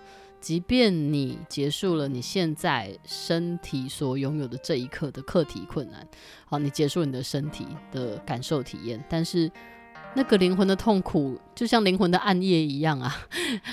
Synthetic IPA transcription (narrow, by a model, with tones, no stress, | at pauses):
t͡ɕi˧˥pjɛ˥˩nni˨˩t͡ɕjɛ˧˥ʂu˥˩lə˩ni˨˩ɕjɛ˥˧nt͡sa˥˩ɪʂə˦nt̪ʰi˨˩swɔ˨˩jʊ˧˥ŋjo˨˩ʊd̪ə˩ʈ͡ʂɤ˥˧i˧˦kʰɤ˥˨d̪ə˩kʰɤ˥˨t̪ʰḭ˨˦kʰwə˥˩nːa̰˨˦n | ha˧˦ni˨˩t͡ɕjɛ˧˥ʂu˥˩lni˨d̪ə˦ʂə˦nt̪ʰḭ˨˩d̪̥ə˨ka˨˩nʂo˥˩ʊt̪ʰḭ˨˩jɛ̰˥˩nt̪a˥˧nʂɻ̩˥˨ | na˥˩ɡə˨˩li˧˥ŋxwə˧˥nd̪ə˧t̪ʰo˥˩ŋkʰu˨˩t͡ɕjo˥˧ʊɕjɑ˥˩ŋli˧˥ŋxwə˧nd̪ə˨ʔa˥˧njɛ˥˩i˧˥˦jɑ˥˩ŋa˨˩